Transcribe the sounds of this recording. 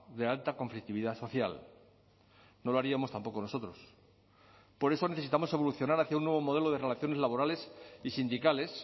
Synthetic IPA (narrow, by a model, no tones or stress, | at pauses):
ðe̞alt̪akõ̞ɱflik̚t̪iβiðaso̞θja̰l | no̞loaɾiamo̞st̪ampo̞kono̞so̞t̪ɾo̞s | po̞ɾe̞so̞ne̞θe̞sit̪amoseβo̞luθjo̞naɾaθjaunːwe̞β̞o̞mo̞ð̞e̞loð̞e̞re̞laθjo̞ne̞zlaβo̞ɾale̞sisind̪ikale̞s